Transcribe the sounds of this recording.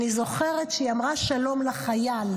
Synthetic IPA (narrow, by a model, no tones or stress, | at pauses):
izo̞χe̞ʁetʃejamʁaʃalo̞mlaχajal